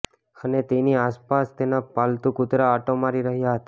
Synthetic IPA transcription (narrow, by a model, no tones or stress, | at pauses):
ənet̪eniaspast̪enapalt̪ũkʊt̪ɾaːʈomaɾiɾəɦjaɦət̪a